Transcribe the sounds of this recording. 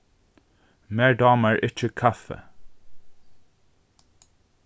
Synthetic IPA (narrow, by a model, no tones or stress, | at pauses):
meːɖɑːməɹʔɪc͡çəkʰɑfə̰